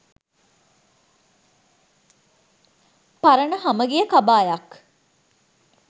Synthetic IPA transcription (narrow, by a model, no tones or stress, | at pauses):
paɾənəɦaməɡijəkabaːjak